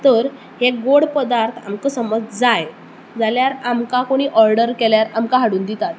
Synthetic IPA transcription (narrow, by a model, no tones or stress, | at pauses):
t̪əɾ | heɡoɽpəd̪aɾt̪ʰa̰mkəsəməd͡zd͡zaj | d͡zaljaɾamkakoɽ̃iːʔɔɾɖəɾkeljaɾamkaɦaɽuːnd̪it̪at̪̚